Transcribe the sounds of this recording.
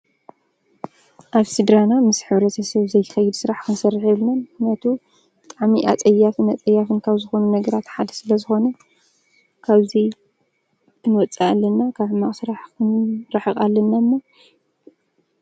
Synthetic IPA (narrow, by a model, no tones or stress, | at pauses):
ʔaβsid̪ɾanamɨsħɨβɾɐt̪ʰɐsɐβzɐjxɐjːɪd̪sɨɾaħkʰɨnsɐrːiħeβlnannat̪ʰu | t̪ʼaʕmiʔa̰t͡sʼɐjːafɨnat͡sʼɐjːafɨnkʰaβzɨxo̞nunɐɡɐɾat̪ħad̪ɐsɨlɐzɨxo̞nɐ | kʰaβzi | ɨnwɔt͡sʼaalːɐnːakʰaβmaχʼsɨɾaħkʰɨnɾaħɨkʼalːɐnːamːo